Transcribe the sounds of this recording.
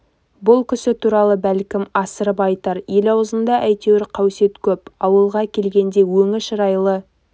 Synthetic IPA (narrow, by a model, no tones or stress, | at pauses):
bʊlˠkʲʰʏsɪt̪ʰuɾɑlˠəbælkʲɪmɑsəɾəpɑjt̪ɑɾje̞lɑwəzənd̪ɑʔæjt̪ewɪɾqʰɑwse̞t̪kʲʰɵpɑwəlˠʁɑkʲʰe̞lɡʲe̞nd̪e̞wɵŋɪʃəɾɑjlˠə